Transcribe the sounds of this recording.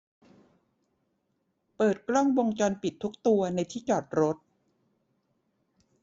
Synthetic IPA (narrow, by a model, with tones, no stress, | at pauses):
pɤː˨˩t̪̚kɾɔ˥˩ŋwo˧ŋt͡ɕɔː˧npi˨˩t̪ʰːu˦˥k̚t̪u˧ɐna˧jt̪ʰiː˥˩t͡ɕɔː˨˩t̪̚ɾo˦˥t̪̚